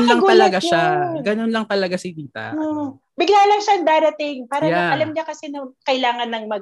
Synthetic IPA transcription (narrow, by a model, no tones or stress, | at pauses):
nlɐŋɡ̪ɐlɐɡaʃaɡɐnonlɐŋt̪ɐlɐɡasɪd̪iːt̪ɐ̰ | bɪɡlaːlɐŋʃaɐŋd̪aːɾɐt̪ɪŋpaːɾɐjaɐʔɐlɐmɲɐkɐsɛnɐkɐɪlaːŋɐnːɐŋmɐɡ̚